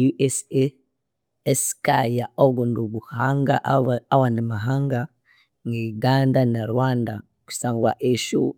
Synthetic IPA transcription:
juʔese | eskajaoɡunduβuhaŋɡa̰ʔawanimaɦaŋɡa | ŋɡeɡandanaɾwaːnda | ku̥saːŋɡwa̰ʔeʃu

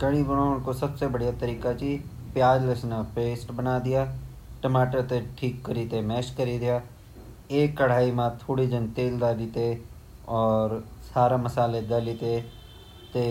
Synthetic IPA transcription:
kəɽ̃iːɡʊɽ̃aːʊnkosəbsebəɽijat̪əɾiːkat͡ʃiː | pɪjaːd͡ʒləsnapeːsʈbənaːd̪ɪjaː | ʈəmaːʈəɾt̪eʈʰiːkːəɾiːt̪emɛːʃkəɾiːd̪ɪjaː | eːkːəɽ̤aːimãːt̪ʰoːɽid͡ʒ̪ɪnt̪eːld̪aːlit̪e | ɔːɾsaːɾaməsaːled̪alit̪e | t̪eː

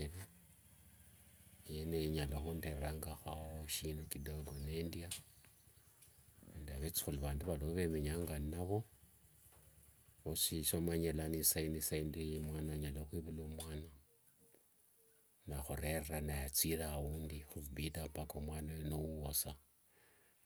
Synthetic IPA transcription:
ele | jeneiɲaloxunderraŋɡaxaoʃinukidoɡonendia | endaβet͡si̥xuliβaːnduβaloβe̞meɲaŋɡannaβo̞ | osiʃomaɲelanisainisaindimwaːnaɲaloxwiβulomwaːna | naxoɾe̞reranajat͡siɾauːndixuubidampakomwaːnawenowuwosa

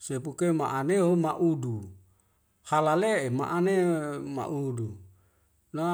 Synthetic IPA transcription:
sepukema̰ʔaneomaʔudu | halaleʔema̰ʔanema̰ʔudu | na

